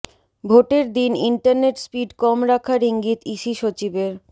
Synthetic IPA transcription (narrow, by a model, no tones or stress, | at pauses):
bʱoʈeɾd̪iniɳʈaɾneʈspiɖkɔmɾakʰaɾiŋɡit̪iʃiʃot͡ɕibeɾ